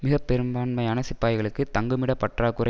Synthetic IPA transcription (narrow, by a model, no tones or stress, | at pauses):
mɪɣɐpːɛɾɯmbaːnmɐjaːnɐsɪpːaːjɣɐɭɯkːɯt̪ɐŋɡɯmɪɽɐpɐʈraːkɯrɐ